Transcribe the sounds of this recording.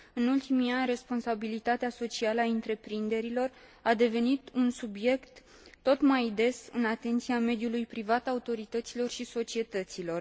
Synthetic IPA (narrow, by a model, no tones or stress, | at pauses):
ɨnult̪imianʲre̞spo̞nsabilit̪at̪easo̞t͡ʃialəaɨnt̪ɾe̞pɾind̪e̞ɾilo̞r | ad̪e̞ve̞nit̪unsubje̞kt̪ː | o̞t̪majd̪e̞sɨnat̪e̞nt̪siame̞d̪julujpɾivat̪aut̪o̞ɾit̪ət̪silo̞rʃiso̞t͡ʃie̞t̪ət̪silo̞r